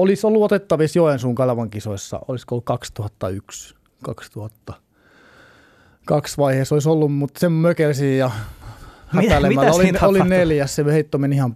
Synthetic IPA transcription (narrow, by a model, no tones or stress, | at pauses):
olisolːuot̪et̪ːɑʋisjoensuːŋkɑlɑʋɑŋkisoisːɑ̰oliskoolːukkɑkst̪uhɑt̪ːɑyks | kɑ̰kst̪uhɑt̪ːɑ | kɑksʋɑiheːsolisolːummut̪semmøkelsijjɑ | hɑt̪ælemælːæoliolinneljæssemøheit̪ːomenihɑm